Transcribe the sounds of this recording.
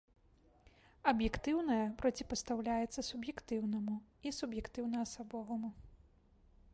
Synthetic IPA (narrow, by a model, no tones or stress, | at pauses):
ɐbjɛkt̪ɨwnɐjɐpɾɔt͡sʲipɐst̪awlʲajɛt̪sːɐsubjɛkt̪ɨwnɐmuisubjɛkt̪ɨwnɐɐsabɔvɐmu